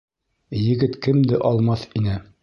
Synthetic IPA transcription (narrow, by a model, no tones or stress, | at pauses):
jɘ̆ɡɘt̪kɘmd̪ɘʔɒlˠmɑθinɘ